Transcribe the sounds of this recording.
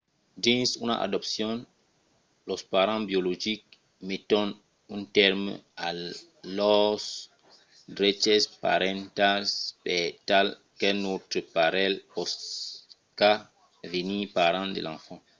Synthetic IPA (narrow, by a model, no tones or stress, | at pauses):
dĩnsuna̰ʔa̰dɔpsjɔ̃n | lɔspaɾãbjoloʒik̚ | metɔn | ũntɛɾm̰a | lɔs | dɾet͡ʃɛspa̰ɾẽnt̪aspɛtal | kenot̪ɾəpaɾɛlpɔs | ka | venipaɾãnd̪ḛlã̰fã